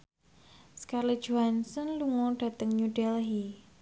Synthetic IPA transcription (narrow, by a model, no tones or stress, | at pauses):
skarli̥d͡ʒ̥oansənluŋɔɖ̥ä̤t̪əŋɲuɖɛlɦi